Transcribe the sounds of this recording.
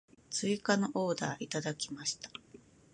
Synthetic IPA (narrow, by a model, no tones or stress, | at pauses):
t͡sɨikanoʔo̞ːd̪aːʔit̪ad̪akʲimaɕi̥t̪ḁ